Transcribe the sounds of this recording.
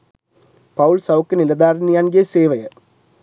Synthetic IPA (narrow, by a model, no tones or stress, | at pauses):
pɐwuɭsɐwkːɨnilɐd̪aːrnːijaːnɡeseːʋɐjɐ